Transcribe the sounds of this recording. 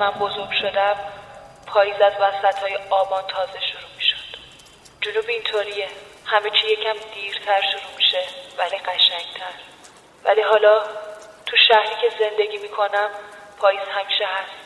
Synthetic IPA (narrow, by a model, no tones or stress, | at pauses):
mænbo̞zo̞ɾɡʃo̞d̪æm | pʰɒːjiːzæzvæsæt̪ʰhɒːjeɒːbɒːnt̪ʰɒːzeʃoɾuːmiʃo̥d̪̥ | d͡ʒonuːbiːnt̪ʰoɾiːehæme̞t͡ʃʰijecʰæmd̪̥iːɾt̪ʰæɾʃuɾuːmiʃevæliɢæʃæŋt̪ʰæɾ | væ̰liɦɒːlɒːt̪ʰuʃæhɾiːcʰeze̞nd̪e̞ɟiːmiːkʰo̞næmpʰɒːjiːz̥hæmiːʃeɦæst̪